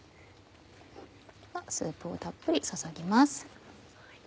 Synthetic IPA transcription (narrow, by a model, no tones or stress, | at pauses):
βasɨ̰ːpɯ̟o̰t̪apːɯ̟ɾʲisasaɡʲimasɨ̥